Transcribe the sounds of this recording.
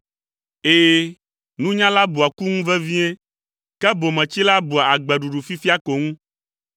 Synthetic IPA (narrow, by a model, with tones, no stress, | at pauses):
eː˨ | nũ˦ɲã˦la˦bu˨a˨ku˦ŋũ˦vɛ˦vĩ˦e˦ | kɛ˦bo˨mɛ̃˨t͡ɕi˦la˦bu˨a˨a˨ɡ͡bɛ˨ɖu˨ɖu˨fi˦fi˦a˦ko˨ŋũ˦